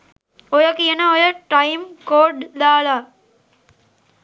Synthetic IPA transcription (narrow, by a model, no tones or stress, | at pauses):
ojɐkiɐnɐojɐʈɐjmkoːɖd̪aːlaː